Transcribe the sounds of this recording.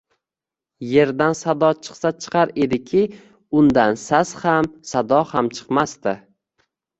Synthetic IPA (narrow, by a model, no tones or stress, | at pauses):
je̞ɾd̪ansad̪ɒt͡ʃʰɨ̥qsat͡ʃʰɨ̥qʰɑɾe̞d̪ɪkʲʰɪ | ʊnd̪ansashamsad̪ɒhamt͡ʃʰɨ̥qmast̪ɪ